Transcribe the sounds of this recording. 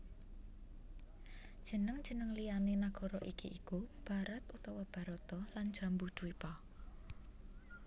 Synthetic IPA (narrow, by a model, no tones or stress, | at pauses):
d̥ʒ̥ə̤nəŋd̥ʒ̥ə̤nəŋlijanenaɡ̥ɔ̤ɾɔʔikiʔikub̥a̤ɾat̪ut̪ɔwɔb̥a̤ɾɔt̪ɔlan̥ʒ̥a̤mbud̪̥uwipɔ